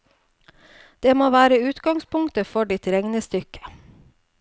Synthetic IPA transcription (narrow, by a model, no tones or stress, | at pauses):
d̪̥eːmoːʋæːɾəʉːt̪ɡɑŋspʰʊŋt̪əfɔɖɪt̪ɾɛŋnəst̪ʏkʰə̥